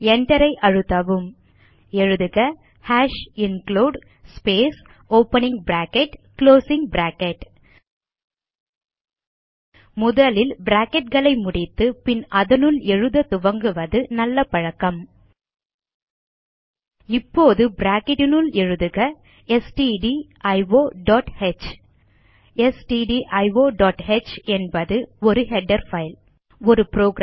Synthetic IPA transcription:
ɛɳɖɐɾɐɪʔɐɻɯt̪ːɐʋɯm | ɛɻɯðɯɣɐ | haːʂɪnkloːɖ | speːs | oːpːɐnɪŋɡbɾaːkɛʈkloːsɪŋɡbɾaːkɛʈ | mʊðɐlɪlbɪɾaːkɛʈ̚ɣɐɭɐɪmʊɽɪt̪ːɯpɪnɐðɐnɯlɛɻɯðɐt̪ʊʋɐŋɡɯʋɐðɯnɐlːɐpɐɻɐkːɐm | ɪpːoːðɯbɾaːkɪʈnɯlɛɻɯðɯɣɐ | ɛsʈiɖiʔɐɪʋoːɖɔːʈhet͡ʃ | ɛsʈiɖiʔɐɪʋoːɖaːʈhet͡ʃɛnbɐðɯɔɾɯɦɛɖɐɾfɐɪl | ɔɾɯpɾoːɡɾa

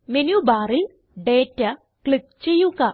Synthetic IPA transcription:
menjubaːril | ɖeːtːɐ | kɭik̚t͡ɕe̞jːuɣɐ

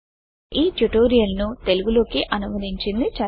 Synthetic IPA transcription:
iːʈuʈoːɾijɐlnut̪e̞luɡulo̞ːkiʔɐnumɐd̪ʱiɲt͡ʃind̪it͡ʃɐ

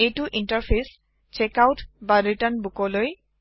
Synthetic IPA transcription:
ejtuʔintaɹpʰes | t͡ɕekawtbaɹitanbukɔloj

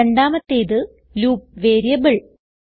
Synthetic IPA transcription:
eɳɖaːmɐt̪ːeːðɨ | luːp̚ʋeːɾijɐbɨɭ

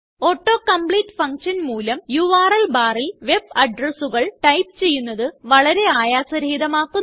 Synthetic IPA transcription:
o̞ːʈːo̞ːkɐmpɭiːʈːfɐŋkʂɐnmuːlɐmjuʋaːrɐlbaːrilʋe̞b̚ɐɖrɐsuɣɐɭʈɐjp̚t͡ɕe̞jːunːɐðɨʋɐɭɐɾe̞aːjaːsɐɾiðɐmaːkːu

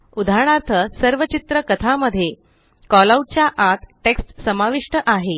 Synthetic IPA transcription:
ud̪ʱaɾɳ̃aɾt̪ʰəsəɾʋət͡ɕit̪ɾəkət̪ʰaməd̪ʱːje | kɔlaut͡ɕjaʔat̪ʈeksʈsəmaʋiʂʈəʔaɦe

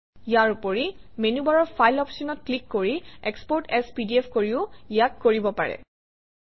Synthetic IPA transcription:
ijaɹupoɹi | menubaɹɔɹpʰajlɔpsunɔt̚klikːoɹiɛkspɔɹtɛspidiɛpʰkoɹiʊijakːoɹibɔpaɹɛ̰

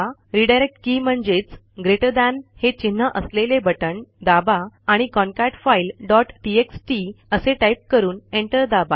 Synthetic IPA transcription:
ɾiɖajɾek̚ʈkiːm̤əɳd͡ʑet͡s | ɡɾeʈəd̪anhet͡ɕin̤ːəʔəslelebəʈəɳd̪abaːɽ̃ikɔnkaʈfailɖɔʈːieksʈiəseʈajp̚kəɾuːneɳʈəɾd̪aba

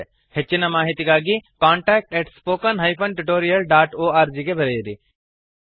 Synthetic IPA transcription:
het͡ʃːinamaːɦit̪ikaːɡikaːɳʈɛːk̚ʈeːʈspoːkənɦɐjpʰɐnʈuʈoːɾijɐlɖaːʈoːaːɾd͡ʒikebʱɐɾejd̪i

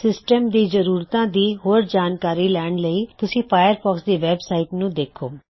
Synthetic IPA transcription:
sɪsʈəmd̪iːzəɾuːɾt̪ãːd̪iːɦoːɾd͡ʒaːnkaːɾiːlɛːɳləiːt̪ʊsĩːpʰaːjəɾpʰɔːksd̪eːʋɛːbsaːiʈnũːd̪eːkʰo̰ː

